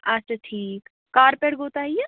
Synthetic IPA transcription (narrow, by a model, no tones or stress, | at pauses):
ɐt͡ʃaʈʰiːk | kaːɾpeːɽɡʱoːt̪aːije